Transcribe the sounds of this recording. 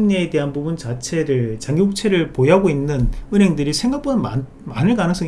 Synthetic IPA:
ɲeːde̞ɦanbubunt͡ɕat͡ɕʰe̞ɾɯɭt͡ɕaŋɡiok̚t͡ɕʰe̞ɾɯɭpojaɡoinːɯnɯnɦe̞ŋdɯɾisʰeŋɡak̚p͈ʰona | manɯɭkanɯŋs͈ʌŋ

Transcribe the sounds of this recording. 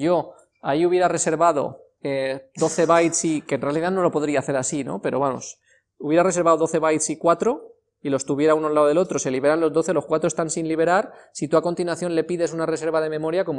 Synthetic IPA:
ʝo̞ | aiuβje̞ɾare̞se̞ɾβað̞o̞̰ | ed̪o̞θe̞βajt̪sikenre̞aliðano̞lo̞po̞ðɾiaːθe̞ɾasino̞̰pe̞ɾo̞βamo̞̰s | uβje̞ɾare̞se̞ɾβaoðo̞θe̞βajt̪sikwat̪ɾo̞ | ilo̞st̪uβje̞ɾaunoalaoðe̞lo̞t̪ɾo̞se̞liβe̞ɾanlo̞zðo̞θelo̞skwat̪ɾo̞st̪ansinliβ̞e̞ɾaɾsit̪uako̞nt̪inwaθjo̞nle̞piðe̞sunare̞s̬e̞ɾβað̞e̞mẽ̞mo̞ɾjako̞m

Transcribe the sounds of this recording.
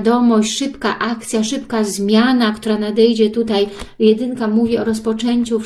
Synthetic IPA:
d̪ɔmɔɕt͡ɕʂɘpkaʔakt̪sʲjaʂɘpkazmʲjanakt̪uɾanad̪ɛjd͡ʑɛt̪ut̪ajjɛd̪ɘnkamuvʲiɔɾɔspɔt͡ʂɛɲʲt͡ɕu

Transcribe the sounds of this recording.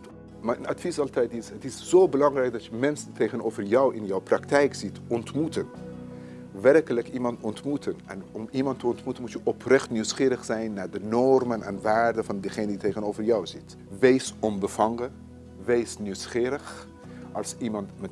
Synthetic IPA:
mɛnɑtfisɑlˠtɛjtɪsɦətɪsz̥owbəlɑŋrɛjk̚dɑtjəmɛnsəntejχənoːvərjɔwɪ̰njɔwprɑktɛjkz̥itɔntmutən | ʋɛrkələkimɑntɔntmutʰənɛnɔmimɑntəɔntmutənmutjəʔɔprɛχtnywsχɪːɾəχsɛjnːaːɹdənɔrmənɛ̰nʋaːɹdəvɑndəχeːnəditejχənowvərjɔwzɪt | ʋejsɔmbəfɑŋə | ʋejsnywsχɪːɾəχ | ɑlˠsimɑntmɛ

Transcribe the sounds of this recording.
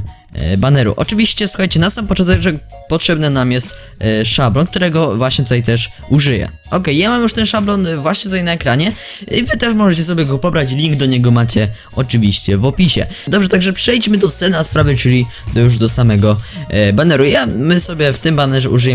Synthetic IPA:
banɛɾṵʔɔ̰t͡ʂɨvʲiɕt͡ɕɛswuxajt͡ɕɛnasampɔt͡ʂɔnt̪ɛɡʐɛkpɔtʂɛbnɛnamjɛst̪ | ʂablɔnk̚t̪uɾɛɡɔvwaɕɲɛt̪ut̪ajt̪ɛʂ | uʐɘjɛ̰ | ʔɔkɛjjamamjuʂt̪ɛnʂablɔnvwaɕɲɛt̪ut̪ajnaɛkɾaɲɛ | ivɘt̪ɛʂmɔʐɛt͡ɕɛs̬ɔbʲjɛɡɔpɔbɾat͡ɕlʲiŋɡd̪ɔɲɛɡɔmat͡ɕɛ | ɔt͡ʂɨvʲiɕt͡ɕɛvɔpʲiɕɛ̰d̪ɔbʐɛt̪aɡʐɛpʂɛjt͡ɕmɘd̪ɔsɛnaspɾavɘt͡ʂɘlʲi | d̪ɔjuʐd̪ɔsamɛɡɔbanɛɾujamɘsɔbʲjɛft̪ɘmbanɛʐɛuʐɨjɛ

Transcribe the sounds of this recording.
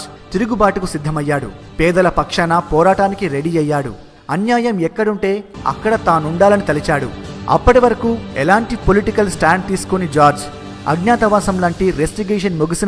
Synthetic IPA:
t̪iɾuɡubaːʈukusid̪ʱːɐmɐjːaːɽṵ | pɛːd̪ɐlɐpɐkʂɐnɐpɔːɾaːʈaːnikiɾeɽiɐjːaːɽṵ | ɐnjaːjɐmɛkːɐɽuɳʈe̞ːɐ̰kːɐɽɐt̪aːnuɳɖaːlɐnit̪ɐlit͡ʃaːɽṵɐ̰pːɐʈiʋɐɾɐkuːɛlaːɳʈipoliʈikɐlsʈaːɳʈiskunid͡ʒaːɾd͡ʒ | ɐ̰ɡɲaːt̪ɐʋaːsɐmlaːɳʈiɾesʈiɡeːʂɐnmoɡisin

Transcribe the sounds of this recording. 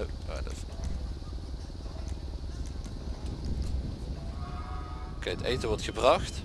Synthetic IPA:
a̰də̰s | keətejtəʋɔɹtχəbrɑxt

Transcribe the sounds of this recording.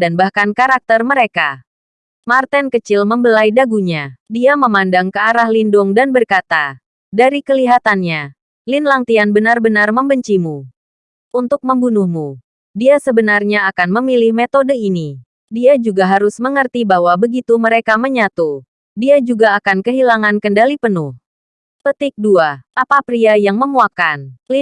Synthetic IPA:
danbahkankaɾak̚t̪ərməɾeka | mart̪ɛnkət͡ʃɪlməmbəlajdaɡuɲadiaməmandaŋkəaɾahlindʊŋdanbərkat̪a | daɾikəliɦat̪anɲa | linlaŋt̪ianbənarbənarməmbəɲt͡ʃimu | ʔunt̪ʊk̚məmbunuhmu | diasəbənarɲaakanməmilɪhmet̪odəini | diad͡ʒuɡaɦaɾʊsməŋərt̪ibaɦwabəɡit̪uməɾekaməɲat̪u | diad͡ʒuɡaːkankəɦilaŋankəndalipənʊh | pət̪ɪk̚duaʔapapɾiajaŋməmuakan

